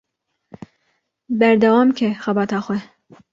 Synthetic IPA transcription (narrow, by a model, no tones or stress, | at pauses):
bæɾd̪ɛwɑːmkʰɛxɛbɑːt̪ɑːxʷwʷɛ